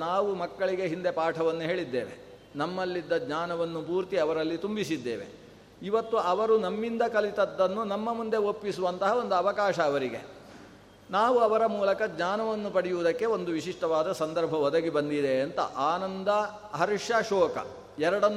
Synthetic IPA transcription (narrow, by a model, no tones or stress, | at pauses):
naːʋumɐkːɐɭiɡe̞ɦind̪e̞paːʈʰɐʋɐnːuɦe̞ːɭid̪ːeːʋe̞̰ | nɐmːɐlːid̪ːɐdɲaːnɐʋɐnːupuːɾt̪iɐʋɐɾɐlːit̪umbisid̪ːḛːʋḛ | iʋɐt̪ːuɐʋɐɾunɐmːind̪ɐkɐlit̪ɐd̪ːɐnːunɐmːɐmund̪e̞opːisuʋɐnt̪ɐɦɐo̞nd̪uɐʋɐkaːʃɐːʋɐɾiɡḛ | naːʋuɐʋɐɾɐmuːlɐkɐd͡ʒɲaːnɐʋɐnːupɐɽijuʋːd̪ɐkːe̞o̞nd̪uʋiʃiʂʈɐʋaːd̪ɐsɐnd̪ɐɾbʱɐɔd̪ɐɡibɐnd̪id̪e̞ɐnt̪ɐ̰ʔaːnɐnd̪ɐ | ɦɐɾiʂjɐʃɔːkɐ̰ | ɛɾɐɽɐnː